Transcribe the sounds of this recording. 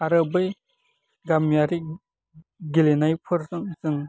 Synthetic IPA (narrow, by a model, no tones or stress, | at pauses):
aɾɯbɯj | ɡamjaɾi | ɡilenajpʰɯɾzɯŋzɯŋ